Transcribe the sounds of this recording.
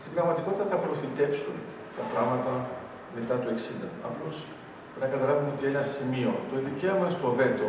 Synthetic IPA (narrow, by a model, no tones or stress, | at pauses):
st̪ibɾɐɣmɐt̪iko̞t̪it̪ɐθɐpɾo̞fit̪e̞psun | t̪ɐt̪ɾɐmɐt̪ɐ | me̞t̪ɐt̪ue̞ksind̪ɐɐplo̞s | ɾinɐkɐt̪ɐlɐvumeo̞t̪ienɐsimio̞t̪o̞ðice̞omɐest̪ove̞t̪o